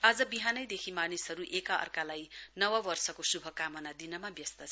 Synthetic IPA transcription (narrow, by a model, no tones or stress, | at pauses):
ad͡zʌbiɦanʌjd̪ekʰimanisɦʌɾuʔekaʌ̰rkalajnʌwʌbʌrsʌkosubʱʌkamʌnad̪inʌmabjʌst̪ʌt͡sʰʌ